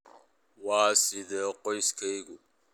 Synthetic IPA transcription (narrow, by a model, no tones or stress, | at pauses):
wɑːsɪðɛːqɔjskʰɛjɣʊ